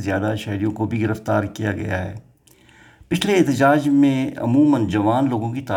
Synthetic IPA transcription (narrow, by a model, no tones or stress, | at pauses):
zjaːd̪aʃɐɦɾijõkobʱiɡɪɾəft̪aːɾkijaɡɐ̰ja̰ɦɛ̰ː | pɪt͡ʃʰleːt̪əd͡ʒaːd͡ʒmẽɐ̰muːmənd͡ʒɐʋaːnloːɡõkit̪aː